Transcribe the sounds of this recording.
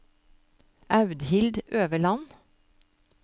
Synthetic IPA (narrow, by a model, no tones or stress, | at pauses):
ʔɑʉd̪hɪld̪øːʋəɭɑn